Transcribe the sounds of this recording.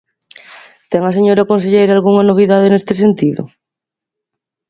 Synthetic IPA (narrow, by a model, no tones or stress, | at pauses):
t̪ɛŋaseɲoɾakons̬eʎejɾalɣuŋanoβ̞iðaðenest̪esent̪iðʊ̰